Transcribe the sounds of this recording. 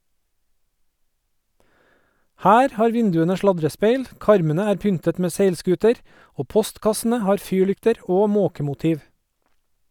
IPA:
ˈhæːɾ ˈhɑːɾ ˈʋɪndʉənə ˈʃlɑdɾəˌspeɪl ˈkɑɾmənə ˈæːɾ ˈpʏntət ˈmeː ˈseɪlˌskʉːtəɾ ˈoː ˈpɔstkɑsn̩ə ˈhɑːɾ ˈfyːˌɭʏktəɾ ˈoː ˈmoːkəmʊˌtiːʋ

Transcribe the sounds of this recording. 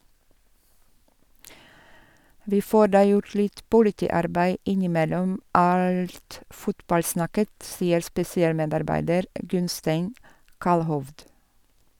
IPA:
ˈʋiː ˈfoːɾ ˈdɑː ˈjʊɾ ˈlɪt pʊlɪˈtiːˌɑɾbæɪ ˈɪnɪˌmɛlɔm ˈɑlt ˈfʊtbɑlˌsnɑkət ˈsiːəɾ spɛsɪˈɑːlˌmeːdɑɾˌbæɪdəɾ ˈɡʉnsteɪn ˈkɑlhɔʋd

